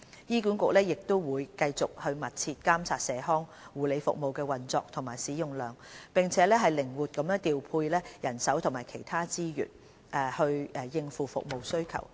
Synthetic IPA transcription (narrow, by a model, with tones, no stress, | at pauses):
jiː˥kuː˨˥nkʊ˨k̚lɛː˥jɪ˨k̚t̪o˥wwuː˨˧jkɐ˧jt͡sʊ˨k̚hɵ˧ɥmɐ˨t̚t͡sʰiː˧t̚kaː˥mt͡ssʰaː˨t̚sɛː˨˧ɦɔː˥ŋ | wuː˨le˨˧jfʊ̰˨k̚mo˨wkɛː˧wɐ˨˩nt͡sɔ̰ː˧k̚t̪ʰʊ˨˩maː˨˩jsiː˨˥jʊ˨˧ŋlœː˨ŋpɪ˨ŋt͡sʰɛː˨˥lɛː˥ɦɐ˨jlɪ˨˩ŋwuː˨˩t̚kɐ˨˦mjœː˥ŋt̪iː˨wpʰuː˧jlɛː˥jɐ˨˩nsɐ˨˥wt̪ʰʊ˨˩ŋmaː˨˩kʰe˨˩jt̪ʰaː˥t͡siː˥jy̰ː˨˩n | ʔɛ˧˩hɵ˧ɥɛ˧jɪ˧ŋfuː˨fʊ̰˨k̚mo˨wsɵ˥ɥkʰɐ̰˨˩w